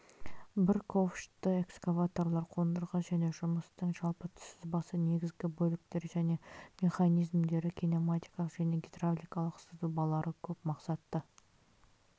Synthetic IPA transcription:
bɪɾkʰofʃt̪ɪe̞kskavat̪o̞rlˠɑɾqʰo̞nd̪əɾʁɑʒæne̞ʒʊməst̪əɴʒɑlˠpət̪ʰʏ̥sɪzbɑsəne̞ɡʲɪzɡʲɪbɵlɪk̚t̪e̞ɾʒæne̞me̞χanijzmd̪e̞ɾɪkʲʰino̞mat̪ʲijkɑəqʒ̥æne̞ɡʲet̪ravlʲijkɑlˠəqsəzubɑlˠɑɾʔəkʲʰɵpmɑqsɑt̪ːə

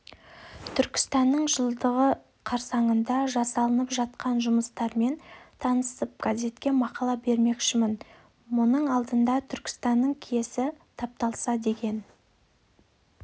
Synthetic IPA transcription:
t̪ʰʏɾkʲɪ̥st̪ɑnːəɴʒəlˠd̪əʁə | qʰɑɾsɑɴənd̪ɑʒɑsɑlˠənəpʒɑt̪qɑnʒʊməst̪ɑɾme̞nt̪ʰɑnəsəp̚ɡ̥aze̞t̪kʲe̞mɑqɑlˠɑbe̞ɾme̞kʃɪmɪn | mʊnəɴɑlˠd̪ənd̪ɑt̪ʰʏɾkʲɪ̥st̪ɑnːəɴkʲʰije̞sɪt̪ʰɑp̚t̪ɑlˠsɑd̪e̞kʲe̞n

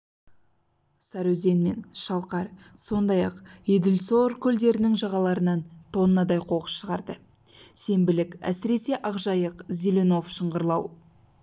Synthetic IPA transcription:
sɑɾɵze̞nme̞̰nʃɑlˠqɑɾso̞nd̪ɑjɑqed̪ɪlso̞ɾkʲʰʏld̪e̞ɾɪnɪŋʒɑʁɑlˠɑɾənɑnt̪ʰo̞nənɑd̪ɑjqʰo̞qə̥sʃəʁɑɾd̪ə | se̞mbɪlɪkæ̰sɪɾe̞se̞ʔɑqʒɑjəqzileno̞fʃəɴʁəɾlˠɑw

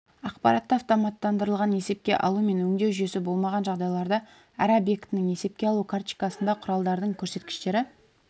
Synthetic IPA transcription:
ɑqpɑ̰ɾɑt̪ːəɑft̪omɑt̪ːɑnd̪əɾəlˠʁɑne̞se̞p̚kʲe̞̰ʔɑ̰lˠume̞nwɵŋd̪e̞wʒʏje̞sɪbo̞lˠmɑʁɑnʒɑʁd̪ɑjlˠɑɾd̪ɑ | æɾobje̞kt̪ɪnɪŋe̞se̞p̚kʲeɑlˠukʰart͡ʃi̥kɑsənd̪ɑqʰʊɾɑlˠd̪ɑɾd̪əɴkʲʰɵɾse̞t̪̚kʲɪ̥ʃt̪e̞ɾɪ

